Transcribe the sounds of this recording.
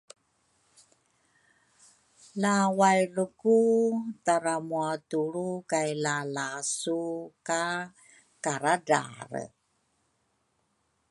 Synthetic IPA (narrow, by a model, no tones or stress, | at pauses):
lawajlukutaɾamuatuɾukajlalasuka | kaɾada̰ɾ̰